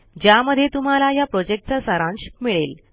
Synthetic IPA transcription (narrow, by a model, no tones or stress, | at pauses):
d͡ʑjaməd̪ʱːjet̪um̤alajapɾod͡ʑek̚ʈ̚t͡ɕasaɾãnɕmiɭel